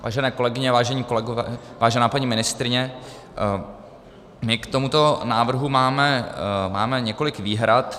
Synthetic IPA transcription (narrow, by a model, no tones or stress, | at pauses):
va̰ːʒɛnɛːko̞lɛɡɪɲɛvaːʒɛɲiːkolɛɡovɛvaːʒɛnaːpaɲimɪnɪst̪ɾɪɲɛ | mɪkt̪omut̪o̞naːvr̩ɦumaːmɛmaːmɛɲɛko̞lɪkviːɦɾat̪